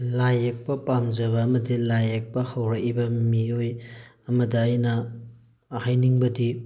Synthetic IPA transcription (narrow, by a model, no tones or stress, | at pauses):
lajek̚pɐpamzɐβɐːmɐdilajek̚pɐhɐwɾɐkibɐmiojɐmɐdɐːjnɐ | hajniŋbɐdi